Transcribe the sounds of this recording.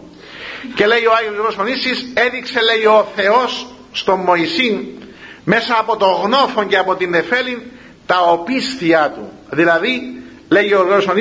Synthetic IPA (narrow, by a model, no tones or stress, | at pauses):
ce̞le̞ioɐjiosoɾoosfonisise̞ðikse̞le̞io̞θe̞o̞sː | t̪o̞mːo̞isin | me̞sɐːpo̞t̪o̞ɣno̞fo̞ɲɟeɐpo̞t̪inːe̞fe̞lin | t̪ɐopisθiɐt̪ṵ | ðilɐði | le̞ʝioɾɣonoson